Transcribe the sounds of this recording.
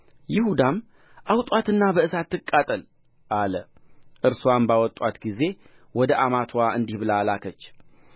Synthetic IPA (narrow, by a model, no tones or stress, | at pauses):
jɪhud̪am | ʔawt̪ʼwat̪ɨnːabəɨsat̪ːɨkʼːat̪ʼəl | ʔaləʔɨɾsuambawɔt̪ʼwat̪ɡize̞ | wɔd̪əʔamat̪ʰwaɨnd̪ihbɨlalakʰət͡ʃː